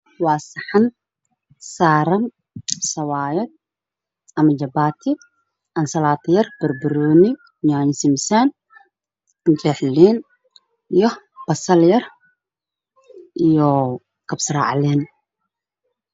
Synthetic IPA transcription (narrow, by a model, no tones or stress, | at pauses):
waːsɐħan | saːɾɐn | sɐwaːjɐd̪̚ | ʔɐmɐd͡ʒɐbaːt̪ʰɪ | ʔɐnsɐlaːt̪ʰjɐrb̥ɐrbɪɾuːnɪ | ɲaːɲɪsɪmsan | d͡ʒɛħliːn | ijɔ | b̥ɐsɐljɐr | ʔijɔ | kʰɐbsɾa̰ːʕlɛːn